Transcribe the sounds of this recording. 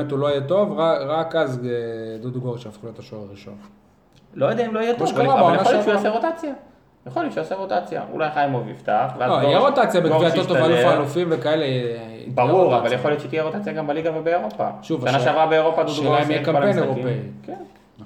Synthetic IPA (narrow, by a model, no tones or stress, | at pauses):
et̪uloijet̪o̞vʁaʁakazed̪ud̪ɡoʁʃeafχulojot̪aʃoʁʁiʃon | lojed̪eaimloijet̪oaʃkaʁabaoaljnaoljot͡ʃʃaseʁot̪at͡sja | jeχoljott͡ʃʃeaseʁot̪at͡sja̰ʔṵlʔajχaimovḭvt̪aχveazloijeʁot̪at͡sjabekviatotovalufaːlufimvekaele | ḭbaʁuʁavaljeχoljott͡ʃeit̪ijeʁot̪at͡sjaɡambaliɡavebeːʁo̞pa̰ʃuvaanaʃeavʁabeeʁopad̪uʃaimijekampe̞jneʁopeiken